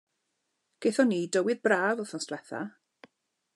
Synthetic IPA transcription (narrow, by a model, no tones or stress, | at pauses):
ɡ̥ejθɔniːdəwɪðbraːvɔθɔnstlɛθa̰